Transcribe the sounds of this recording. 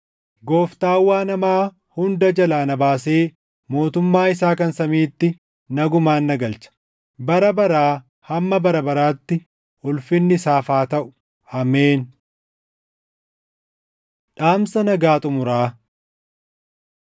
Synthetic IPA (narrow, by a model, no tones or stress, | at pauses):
ɡoːft̪aːwːaːnɐmaː | hʊnd̪ɐd͡ʒɐlaːnɐbaːse̞ː | mo̞ːt̪ʊmːaːɪsaːkɐnsɐmiːt̪ːɪ | nɐɡʊmaːnːɐɡɐlt͡ʃɐ̥ | bɐɾɐbɐɾaː | hɐmːɐbɐɾɐbɐɾaːt̪ːɪ | ʊlfɪnːɪsaːfaːt̪ɐʔʊ̥ | ɐmeːn | ᶑaːmsɐnɐɡaːt̪ʼʊmʊɾaː